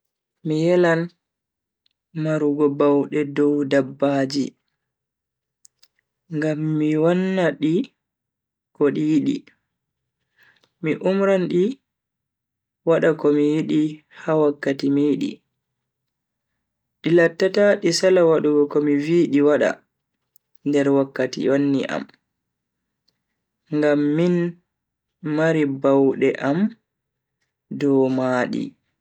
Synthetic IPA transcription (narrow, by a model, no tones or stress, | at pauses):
mijɛlan | maɾuɡɔbawɗɛdɔwdabːaːd͡ʒi | ŋɡamːiwanːaɗi | kɔɗijiɗḭ | miʔumɾanɗi | waɗakɔmijiɗi | hawakːatimiːɗḭ | ɗilatːataɗisalawaɗuɡɔkɔmiviɗiwaɗa̰ | ndɛɾwakːatḭjonːḭʔa̰m | ŋɡamːin | maɾibawɗɛʔam | dɔːmaːɗḭ